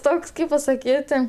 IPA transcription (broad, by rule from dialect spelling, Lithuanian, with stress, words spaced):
ˈtoːks ˈkɐɪp pɐsɐˈkʲiːtʲɪ